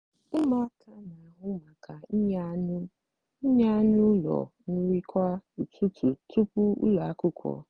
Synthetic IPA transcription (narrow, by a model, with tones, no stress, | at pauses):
e˦ma˦kʰa˦na˨a˨ɦʊ˦ma˨kʰa˨i˦ɲa˦nʊ˦ | ɲa˦a˦nʊ˦lɔ̰˨nʊ˦ɾi˦kʷa˦u˨tu˦tu˨tu˦pʊ˦ṵ˦lɔ˨a˦kʊ˦kʷʰɔ̰˨